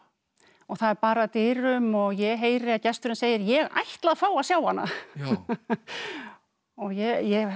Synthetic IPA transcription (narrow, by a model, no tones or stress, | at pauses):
ɔɣθaðɛɾpaːɾat̪ɪːɾʏmɔɣjɛɣɦeːjɾɪaðcɛst̪ʏɾɪnseːjɪɾjɛɣa̰jht̪laðfaːwasjaːwanːa̰ | ɔɣjɛjɛ